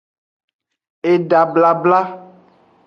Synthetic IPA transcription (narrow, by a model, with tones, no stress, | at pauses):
e˨ɖa˨bla˨bla˦